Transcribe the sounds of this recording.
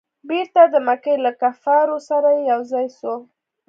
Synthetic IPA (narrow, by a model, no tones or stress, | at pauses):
beɾt̪ad̪əmakelakafɑɾosaɾajejawzɑjso